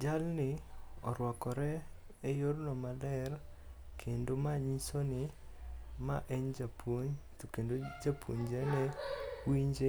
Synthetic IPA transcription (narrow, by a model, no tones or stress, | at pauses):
d͡ʒalnɪɔ̰ɾwɔkɔɾɛ | ejoɾnɔmalɛr | kʰendomaɲisonɪ | maʔɛɲd͡ʒapʰoɲt̪okendod͡ʒapʰwoɲd͡ʒɛnɛwiɲd͡ʒe